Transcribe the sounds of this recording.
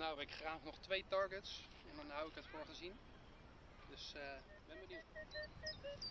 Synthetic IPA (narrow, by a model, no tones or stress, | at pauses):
nawɪkχraːχnɔχtʋejtɑɹɡəts | ɛndɑnɦʌwɪkɦətfʊːɹχəzin | dɵsə | bɛnbənit